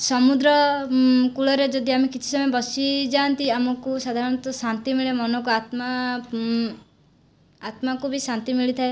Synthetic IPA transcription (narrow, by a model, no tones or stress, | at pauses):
sɔmud̪ɾɔ | kuɭɔɾed͡ʒɔd̪iamekit͡ʃʰi̥sɔmɔjɔbɔsid͡ʒant̪iamɔkusad̪ʱaɾɔnt̪ɔsant̪imiɭemɔnɔk̬uat̪ma | at̪makubʱisant̪imiɭit̪ʰae